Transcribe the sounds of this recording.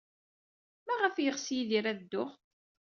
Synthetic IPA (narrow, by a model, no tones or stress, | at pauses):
mæʁəfjəʁsjiðiɾæðd̪ːʊχ